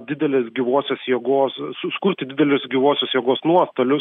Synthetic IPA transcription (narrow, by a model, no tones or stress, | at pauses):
d̪ʲɪd̪ʲɛlʲeːsɡʲɪʋoːsʲoːsjeɛɡoːsʊskʊɾʲt̪ʲɪd̪ʲɪd̪ʲɛlʲʊsɡʲiʋoːsʲoːsjeɛɡoːsnuɔst̪oːlʲʊs